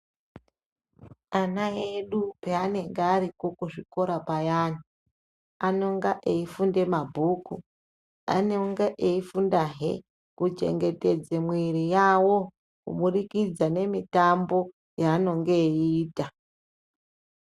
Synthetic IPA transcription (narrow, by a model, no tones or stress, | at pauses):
anaeɗupe̞ane̞ŋɡeaɾikokuʐiko̞ɾapajaːni | ano̞ŋɡaʔeifunde̞mabʱuku | a̰noŋɡaʔeifundaɦḛ | kud͡ʒe̞̰ŋɡe̞te̞d͡zemwiɾijawo̞ | kṵmurikid͡zane̞mitambo̞ | jaːno̞ŋɡe̞iːta